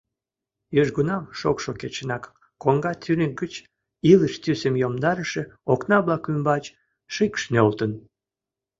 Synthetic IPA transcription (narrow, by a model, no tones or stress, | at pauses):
jøʒɡunɑmʃokʃoket͡ɕənɑkː | oŋɡɑt̪ʰynʲək̚ɡət͡ɕ | iləʃt̪ysəmjomd̪ɑɾəʃeoknɑβlɑkymbɑt͡ɕ | ʃikʃnʲolt̪ən